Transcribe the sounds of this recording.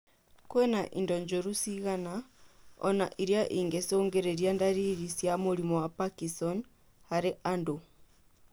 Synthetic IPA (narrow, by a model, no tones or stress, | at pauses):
kwɛnaʔḭndɔɲd͡ʒoɾusiɣanaɔ̰na̰ʔiɾjaʔiŋɡesoːŋɡeɾeɾjandaɾiɣisjamuɾimowapakisɔn | haɾeʔando